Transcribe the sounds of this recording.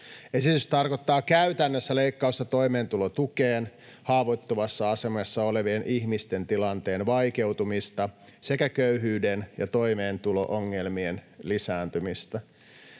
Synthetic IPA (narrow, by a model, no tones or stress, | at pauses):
e̞sit̪yst̪ɑrko̞t̪ːɑːkæyt̪ænːøsːæleijkːɑust̪ɑt̪o̞ime̞ːnt̪ulot̪ukeːn | hɑːʋot̪ːoʋɑsːɑɑse̞mɑsːɑole̞ʋienʔihmist̪e̞nt̪ilɑnt̪e̞ːnʋɑjke̞wt̪umist̪ɑ | se̞kækøyɦyːdenjɑt̪ojme̞ːnt̪ulo̰ʔoŋːelmienlisæːnt̪ymist̪ɑ